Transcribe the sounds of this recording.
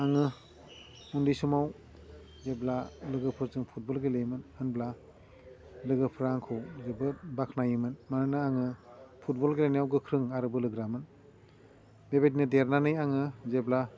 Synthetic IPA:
aŋɯ | undisumaw | zeblalɯɡɯpʰɯɾzɯŋpʰut̚bɔlɡelejmɯnhɯnbla | lɯɡɯpʰɯɾaŋkʰɯwzebɯbakʰnajɯmɯnmanɯnɯaŋɯpʰut̚bɔlɡelanijawɡɯkʰɾɯŋaɾɯbɯlɯɡɾamɯn | bebetnɯdeɾnanɯjaŋɯzebla

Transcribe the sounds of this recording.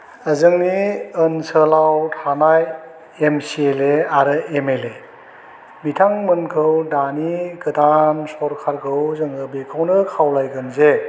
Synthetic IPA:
əzɯŋniənsəlawtʰanaj | emsieleaɾɯemele | bitʰaŋmɯnkʰɯwdaniɡɯdansɔɾkʰaɾkʰɯwzɯŋɯbekʰawnɯkʰawlajɡɯnze

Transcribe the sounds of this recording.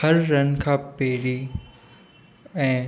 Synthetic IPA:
ɐɾːɐnkʰaːpeːɾi | ɛ̃ː

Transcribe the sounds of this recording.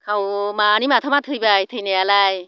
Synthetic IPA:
kʰawmanimatʰamat̪ʰɯjbajtʰɯjnajalaj

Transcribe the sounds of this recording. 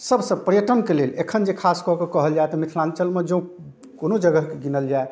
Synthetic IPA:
səbsəbpəɾjəʈənkelelekʰənd͡ʒekʰaskɔɦkekɔɦəld͡ʒaet̪ɔmit̪ʰlãnt͡ʃəlmed͡ʒõũ | konod͡ʒəɡəɦkeɡinəld͡ʒae

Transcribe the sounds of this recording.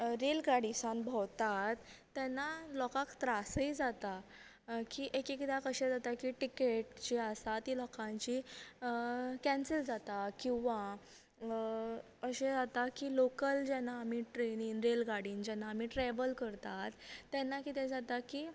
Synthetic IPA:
ɾelɡaɽisãnbʱɔwt̪at̪ː | ɛnːalɔkãkt̪ɾasəid͡zat̪a | kiʔekekd̪akəɕɛ̃d͡zat̪akiʈikeʈt͡ɕiasat̪iːlɔkʰãɲt͡ɕi | kɛ̃nsəld͡zat̪akĩw̃ʋa | əɕẽd͡zat̪akiːlokəld͡ʑɛnaːmiʈɾeniːnɾelɡaɽiːnd͡ʑɛnːaːm̤iʈɾɛʋəlkəɾt̪at̪ːɛnːakit̪ɛ̃d͡zat̪akiː

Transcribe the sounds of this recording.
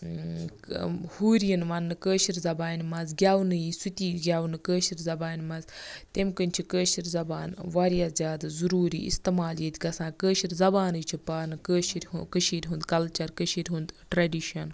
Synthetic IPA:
huːɾijinʋɐnːɨkəːʃiɾzɐbaːnmɐzɡʲaːwnɨjisut̪ʲiːɡʲaːwnɨkəːʃiɾzɐbaːnmɐzt̪emkənʲt͡ʃʰikəːʃiɾzɐbaːnʋaːɾjaːzʲjaːd̪azuɾuːɾḭːʔḭst̪ɐmaːljet̪ʲɡɐsãːkəːʃiɾzɐbaːnɨjt͡ʃʰipaːnɨkəːʃiɾʲukəʃiɾʲɦund̪kɐlt͡ʃɐɾkəʃiɾʲɦũnd̪ʈɾɐɖiʃɐn

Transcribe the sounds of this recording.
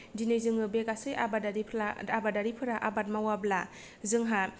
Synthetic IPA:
dinezɯŋɯbekasɯjabadaɾiaabadaɾipʰɯɾaʔabat̚mawabla | zɯŋɦa

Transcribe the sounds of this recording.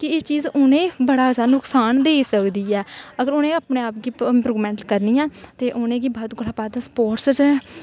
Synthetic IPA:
kɪeːt͡ʃiːzʊnẽːbəɽaːsaːnʊksaːnd̪eːsəkd̪iːɛːəɡəɾʊnẽːəpneːaːpɡiːpɾuɡmɛ̃ːɳʈkəɾniːãːt̪eːʔʊnẽːɡiːbɔːt̪ɡʊlaːbaːd̪aspoːɾʈst͡ʃː

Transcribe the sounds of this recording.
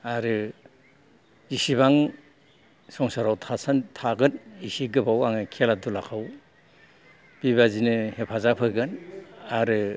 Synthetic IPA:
aɾɯ | isibaŋ | sɔŋsaɾawtʰasantʰaɡɯnisiɡɯbawaŋɯkʰialadulakʰaw | b̥iβazinɯhepʰazapʰɯɡɯnaɾɯ

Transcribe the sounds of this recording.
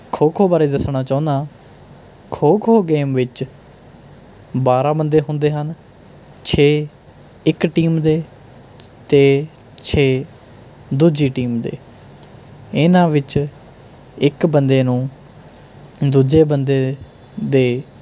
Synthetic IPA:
kʰoːkʰoːbaːɾeːd̪əsɳaːt͡ʃaːʊ̃nd̪aː | kʰoːkʰoːɡeːmʋɪt͡ʃ | baːɾãːbənd̪eːɦʊ̃nd̪eːɦən | t͡ʃʰeː | ɪkʈiːmd̪eː | t̪eː | t͡ʃʰeː | d̪uːd͡ʒiːʈiːmd̪ḛː | ɪnãːʋɪt͡ʃ | ɪkbənd̪eːnũː | d̪uːd͡ʒeːbənd̪eː | d̪eː

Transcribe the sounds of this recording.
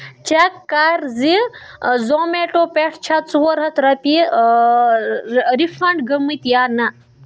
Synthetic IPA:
t͡ʃakːaɾzi | zoːmeːʈopeʈʰt͡ʃʰat̪t͡suwɐɾɦɐt̪ɾɐpi | ɾifɐɳɖɡɐmɨt̪jaːnɐ

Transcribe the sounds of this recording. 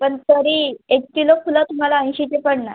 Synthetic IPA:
pəɳt̪əɾiːek̚t̪ilofʰulat̪um̤alaə̃j̃ɕit͡ɕepəɽnaj

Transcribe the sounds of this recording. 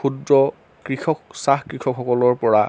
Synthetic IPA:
udɹɔ | kɹixɔksaxkɹixʰɔkxɔkɔlɔɹpɔɹa

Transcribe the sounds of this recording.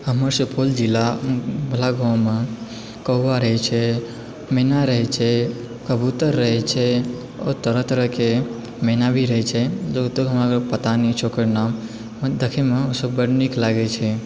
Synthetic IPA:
ɦəməɾsəpʰold͡ʒɪlabʱəlaɡʱãwme | kəːaɾəɦɛt͡ʃʰe | menaɾəɦɛt͡ʃʰe | kəbut̪əɾːəɦɛt͡ʃʰɛ | o̰t̪əɾət̪ɾəke | menabʱiɾəɦɛt͡ʃʰɛd͡ʒot̪oɦəmaɾpət̪anit͡ʃʰokəɾnam | d̪əkʰemeosəbːəɽniklaɡet͡ʃʰɛ

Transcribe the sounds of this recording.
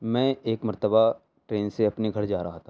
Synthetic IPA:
mɛ̃ːeːkmɐɾt̪əba | ʈɾeːnseɐpniɡʱɐɾd͡ʒaːɾɐɦat̪ʰa

